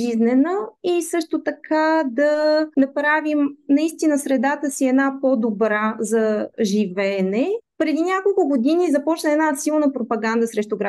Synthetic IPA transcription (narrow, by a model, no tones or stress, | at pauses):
iznɛnəisɤʃt̪ot̪ɐkʰad̪ɐnɐpɾavimnɐist̪inəsɾɛd̪at̪əsiɛd̪napod̪obɾazɐʒivɛnɛpɾɛd̪inʲakolˠkʊɡod̪inizɐpɔt͡ʃnəɛnasilˠnəpɾopɐɡand̪əsɾɛʃt̪ʊɡɾa